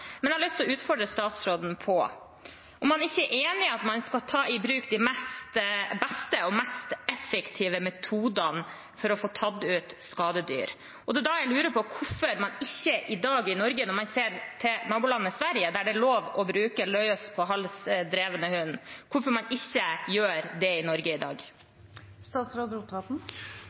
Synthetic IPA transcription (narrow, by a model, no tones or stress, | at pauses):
mɛnɛhɑlɪst̪ʰlɔʉːt̪fɔɖɾəst̪ɑːt̪sɾoːd̪n̩pʰɔ | ʔɔmːɑnɪçːəʔeːnɪɑt̪mɑnskɑlt̪ʰɑːɪbɾʉːkd̪ɪmɛst̪bɛst̪əɔmɛst̪ɛfɛkt̪ʰiːʋəmɛt̪ʰuːd̪ɑn | fɔɾɔfoːt̪ʰɑd̪ʉːt̪skɑːd̪əd̪y̰ːɾ | ɔd̪ɛd̪ɑjæɪlʉːɾəpʰɔkʰʊfɔɾmɑnɪçːəʔɪd̪ɑːɡɪnɔɾɡənɔɾmɑnseːɾt̪ʰɪnɑːbʊlɑnːəsʋæɾjəd̪æɖɛloːʋɔbɾʉːkəlœʏɔspʰɔɦɑlsd̪ɾeːʋənəhʉnkʰʊfɔɾmɑnɪçːəjøːɾd̪ɛɪnɔɾɡəɪd̪ɑ̰ːɡ | st̪ɑːt̪sɾɑd̪ɾʊt̪ʰɑːt̪n̩